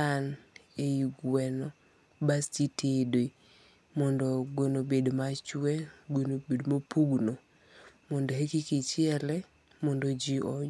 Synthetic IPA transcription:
an | eiɡwɛnɔ | bastitʰedoi | mɔndɔɡwenobedmat͡ʃwɛɡwonobedmopuɡno | mɔndohekikit͡ʃɪɛlɛ | mɔndod͡ʒiɔ

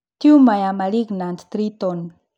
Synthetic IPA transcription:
t̪iumajamaliɡnant̪t̪ɾit̪on

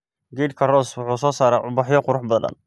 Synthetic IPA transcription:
ɡiːd̪kʰɐrɔswʊħuːsɔːsaːɾaːʕʊbɑħjɔqʊɾʊħbɐðɐ̰n

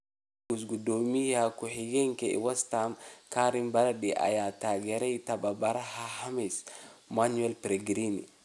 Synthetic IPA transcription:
ɡusɡudomijakuhiɡɛŋkɛḭwastamkaɾimbaɾaɗiʔa̰jataɡɛɾɛjtababaɾahahamismanuɛlpɾeɡɾinḭ

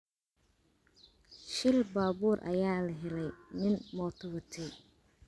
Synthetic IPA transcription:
ʃɪlbaːbuːrʔɐ̰jaːlɐɦɛlɛjmɪnmɔːt̪ʰʊβɐt̪ʰɛj

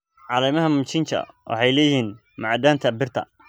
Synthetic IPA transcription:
ʕɑlɛːmɐɦɐmʊt͡ʃʰɪnt͡ʃʰɐ̰wʔɑ̰ħɑjlɛːjhiːn | mɑʕd̪aːmt̪ʰɐbɪrt̪ʰɐ̰

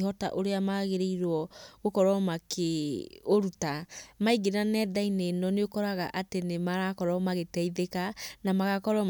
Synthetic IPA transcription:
ɦɔta̰ʔoɾeamaɣeɾeiɾwɔɣokɔɾɔmakeoɾutamaiɡeɾanɛðainenɔneokɔɾaɣaʔatenemaɾakɔɾɔmaɣetɛiðekanamaɣakɔɾɔ

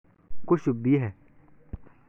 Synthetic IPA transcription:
koʃubiɦɛ

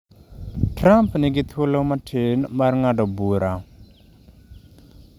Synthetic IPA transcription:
tʰɾampniɡit̪ʰolomatʰenmaɾŋaɖɔbuɾʔa

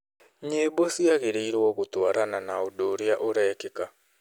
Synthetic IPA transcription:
ɲeːbosiaɣeɾeiɾwɔɣotwaɾananaodoɾjaʔoɾɛːkeka

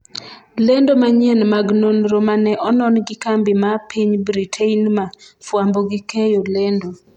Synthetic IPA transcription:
lendomaɲɛnmaɡnonɾomanɛʔɔnɔnɡɪkambimapʰiɲbɾitʰeinmafwamboɡikejolendo

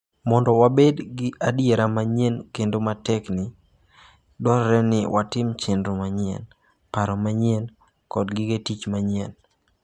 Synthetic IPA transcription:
mɔndɔwabedɡɪʔadjeɾamaɲɛnkendomatɛknɪ | dɔɾɾɛnɪwʔatɪmt͡ʃendɾomaɲɪɛ̰n | paɾɔmaɲɪɛn | kɔdɡɪɡetit͡ʃmaɲɛn

